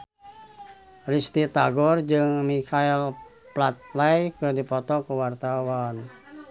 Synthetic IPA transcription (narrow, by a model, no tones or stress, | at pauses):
rist̪it̪aɡɔrd͡ʒɨŋmikʰail | plat̪̚lajkərdipɔt̪ɔkəwart̪awan